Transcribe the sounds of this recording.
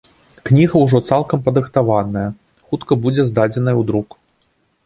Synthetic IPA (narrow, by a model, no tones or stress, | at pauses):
knʲiɣɐwʐɔt̪salˠkɐmpɐd̪ɾɨxt̪avanɐjɐ | xut̪kɐbud͡zʲɛzd̪ad͡zʲɛnɐjɐwd̪ɾuk